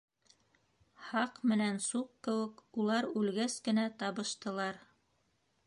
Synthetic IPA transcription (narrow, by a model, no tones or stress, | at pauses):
hɑqmɘ̆nænsuqkɘ̆wɘkulˠɑɾʉlɡæskɘ̆næt̪ɑβɤ̆ʃt̪ɤ̆lˠɑɾ